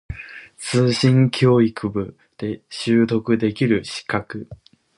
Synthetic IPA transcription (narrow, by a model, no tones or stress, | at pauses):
t͡sɨːɕĩŋkʲʰo̞ːikɯ̟bɯ̟ | d̪̥e̞ɕɨːt̪o̞kɯ̟d̪e̞kʲiɾɯ̟ɕi̥kakɯ̟